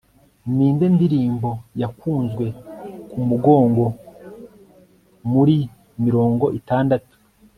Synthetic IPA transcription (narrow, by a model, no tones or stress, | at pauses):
niːnde̞ndiɾiːmbo̞jakuːnzɡwe̞kumuɡo̞ːŋɡo̞ | muɾi | miɾo̞ːŋɡo̞ʔitaːndatu̥